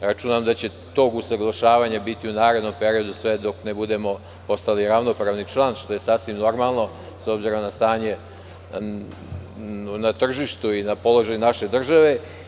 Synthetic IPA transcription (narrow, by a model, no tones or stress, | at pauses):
ɾat͡ʃunamd̪at͡ɕe̞ | t̪o̞ːɡusaɡlˠaʃaːʋaɲabit̪iunaːɾe̞d̪no̞mpe̞ɾio̞d̪usʋe̞d̪o̞knebud̪e̞mo̞ | po̞st̪aliɾaʋno̞pɾaːʋnit͡ʃlˠaːnʃt̪o̞je̞saːsʋimno̞ɾmalˠno̞ | so̞bziɾo̞mnast̪aːɲe̞ | nat̪r̩ʒiʃt̪uinapo̞lˠo̞ʒaːjunaʃe̞d̪r̩ʒaʋe̞